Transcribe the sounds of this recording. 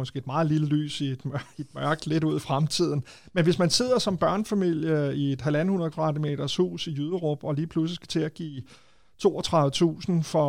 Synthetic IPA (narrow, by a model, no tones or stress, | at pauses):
ɒsɡ̥e̝d̥mɑ̈ːð̩ˠliləly̰ːsid̥med̥mɶɐɡ̥d̥le̝ɾuð̞̰ˠifʁamt͡sʰið̞̰ˠn̩ | menʋe̝smænse̝ð̞̰ˠɐsɒ̽mb̥ɶɐnfæmil̰jəie̝d̥ɦælæn̩hunɐðˠkʰʋɑ̈d̥ime̝̰ːd̥ɐshṵːsijyːðˠəʁob̥ɒ̽liːpʰluslisɡ̥æ̥t͡sʰe̝æɡ̥ḭː | t͡sʰo̝̰ːɒt͡sʰʁɑ̈ð̩ˠət͡sʰṵːsn̩fɒ̽